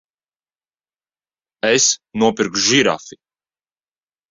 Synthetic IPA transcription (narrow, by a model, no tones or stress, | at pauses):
ɛsnuɔpiɾkʒiɾa̰fi